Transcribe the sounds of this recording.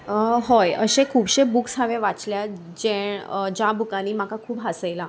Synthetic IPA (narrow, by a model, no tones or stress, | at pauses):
ɦojəɕekʰuːbɕebuːksɦaʋẽʋat͡slja | d͡ʑeɳd͡ʑabʱukañiːmakakʰuːbɦasəjla